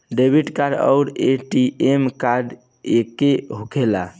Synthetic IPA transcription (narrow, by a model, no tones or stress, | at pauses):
ɖebʱiʈkaɖə̰ʊɾeʈiemkaɾɖ | ekeɦukʰela